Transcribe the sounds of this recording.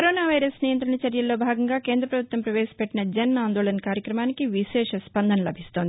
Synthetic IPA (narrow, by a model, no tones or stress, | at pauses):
kɐɾoːnaːʋɐjɾɐsnijɐnt̪ɾɐɳɐt͡ʃɐɾjɐlːo̞ːbʱaːɡɐŋɡaːke̞ːnd̪ɾɐpɾɐbʱut̪ʋɐmpɾɐʋeːʃɐ̥pɛʈːinɐd͡ʒɐnaːnd̪oːɭɐnkaːɾjɐkɾɐmaːnikiʋiʃɛːʂɐspɐnd̪ʱɐnɐlɐbʱist̪o̞ːnd̪ii